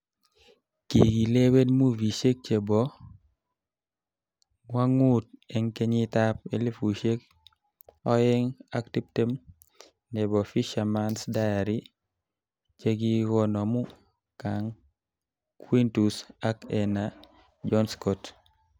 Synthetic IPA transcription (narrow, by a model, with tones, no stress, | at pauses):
ki˨ɡi˨le˦we˦dmu˦vi˨ʃe˦k̚t͡ʃe˨bɔ˨ | ŋwa˦ŋu˦t̚ɛ˨ŋke˦ɲi˦ta˦p̚e˨li˦fu˨ʃe˦k̚ | ɔ˦ɪ˦ŋa˦kti˦p̚te˦m | nɛ˨bɔ˨fi˦ʃa˨ma˦nsda˦ja˨ɾi˦ | t͡ʃe˦ɡi˦ɡɔ˦nɔ˨mu˦ | ka˨ŋ | kwi˦ntu˨sa˦kɛ˨na | d͡ʒɔ˦nskɔt